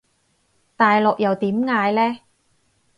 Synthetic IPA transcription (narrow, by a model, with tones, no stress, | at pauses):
t̪aː˨jlɔ˨k̚jɐ˨wt̪iː˨˥mŋaː˧jlɛː˦˥